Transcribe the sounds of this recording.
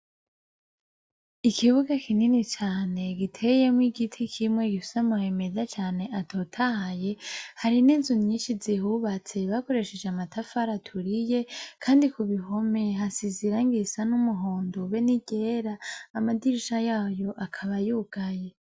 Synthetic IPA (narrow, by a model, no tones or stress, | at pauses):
ikʰiβuɡakʰininit͡ʃaːne̞ɡitʰeje̞mwiɡitʰikʰimŋe̞ɡifu̥samuhe̞me̞zat͡ʃaːne̞ʔatʰotʰahaje̞haɾiniːnzunɲiːnʃizihuβat͡se̞βako̞ɾe̞ʃe̞d͡ʒeamatafaɾatʰuɾije̞kʰaːndikuβiɦo̞me̞ɦasiziɾaŋɡisanumuɦoːndoβeniɟe̞ːɾaːmadiɾiʃajaːjo̞ʔakʰaβajuːɡ̥aje